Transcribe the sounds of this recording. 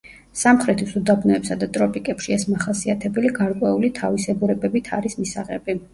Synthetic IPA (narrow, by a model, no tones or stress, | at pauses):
samχɾɛt̪ʰisud̪abnɔɛpsad̪at̪ʼɾɔpʼikʼɛpʃiɛsmaχasiat̪ʰɛbɛliɡaɾkʼwɛulit̪ʰavisɛɡuɾɛbɛbit̪ʰaɾismisaʁɛ̰bi